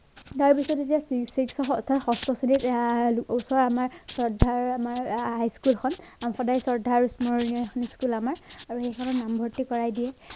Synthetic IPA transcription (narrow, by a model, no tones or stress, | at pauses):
taɹpisɔtetiasisiksɔɔtʰaxɔstɔsunit | usɔɹamaɹsɔɹdʱːaɹamaɹɦajskulkʰɔn | amxɔdajsɔɹdʱaɹsmɔɹnijɔxʰɔniskulamaɹaɹuxejkʰɔnɔnambʱɔɹtikɔɹajdiɛ